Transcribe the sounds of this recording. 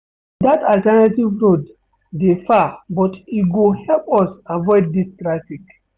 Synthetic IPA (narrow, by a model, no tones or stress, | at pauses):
d̪ataltɛnativɹod | defabɔtiɡohɛlpɔsavɔɪd̚ːistɹafik